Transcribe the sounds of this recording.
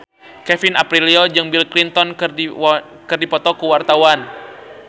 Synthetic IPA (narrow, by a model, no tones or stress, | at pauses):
kɛfinapɾiliɔd͡ʒɨŋbilklint̪ɔn | kɨrdipɔt̪ɔkəwart̪awan